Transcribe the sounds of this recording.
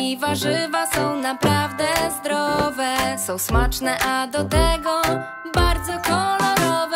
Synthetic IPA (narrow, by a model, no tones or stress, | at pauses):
ivaʐɘvasɔ̃w̃napɾavd̪ɛzd̪ɾɔvɛsɔ̃w̃smat͡ʂnɛʔad̪ɔt̪ɛɡɔ | baɾd̪zɔkɔlɔɾɔvɛ